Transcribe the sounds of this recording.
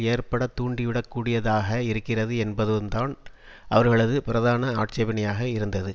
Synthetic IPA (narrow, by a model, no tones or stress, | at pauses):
eːɾpɐɽɐt̪ːuːɳɖɪʋɪɽɐkːuːɽɪjɐðaːɣɐɪɾɯkːɪrɐðɯɛnbɐðɯmd̪aːn | ɐʋɐɾɣɐɭɐðɯpɪɾɐðaːnɐaːʈ̚t͡ʃɐʋɪnɐjaːɣɐɪɾɯnd̪ɐðɯ